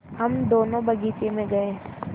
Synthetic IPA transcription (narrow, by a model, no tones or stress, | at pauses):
hɐmd̪oːnõbɐɡiːt͡ʃemẽɡɐe